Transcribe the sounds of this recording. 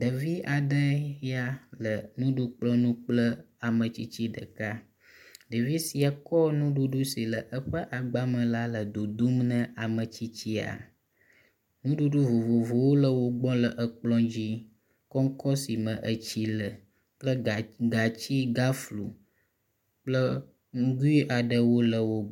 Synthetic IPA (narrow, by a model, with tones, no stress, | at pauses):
ɖə˨vi˦ʔa˨ɖə˦ja˦lə˨nũ˦ɖu˦k͡plɔ˦nũ˦k͡plə˦ | a˨mə˨t͡ɕi˦t͡ɕi˦ɖə̰˨ka˦ | ɖə˨vi˦si˨a˨kɔ˦nũ˦ɖu˦ɖu˦si˨lə˨ʔə˦ɸə˦ʔa˨ɡ͡ba˦mə̃˨la˦lə˨d̪o˨d̪u˦mnə̃˦a˨mə˨t͡ɕi˦t͡ɕi˦a̰˨ | nũ˦ɖu˦ɖu˦vo˨vo˨vo˨wo˦lə˨wo˦ɡ͡bɔ̃˦lə˨ʔə˨k͡plɔ̃˦d͡ʑi˦ | kɔ˦ŋ˦kɔ˦si˨mə̃˨ʔə˨t͡ɕi˦lə˨ | k͡plə˦˨ɡa˨t͡ɕi˦ɡa˦flu˨ | k͡plə˦ | ŋ˦ɡu˦i˦ʔa˨ɖə˨wo˦lə˨wo˦